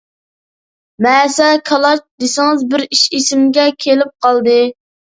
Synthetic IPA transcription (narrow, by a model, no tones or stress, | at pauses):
mɛːsɛkʰɑlˠɑt͡ʃd̪esɪŋɨzbɪɾiʃisɪmɡʲɛkʲʰelɪp̚qɑlˠd̪ɨ